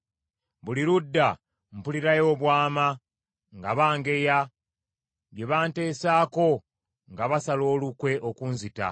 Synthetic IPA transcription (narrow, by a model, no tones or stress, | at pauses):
βuliɾudːa | m̩puliɾajo̞ːβwaːma | ŋɡaβaːŋɡe̞ja | jje̞βaːnte̞ːsaːko̞ | ŋɡaβasalo̞ːlukwe̞ʔokunzita̰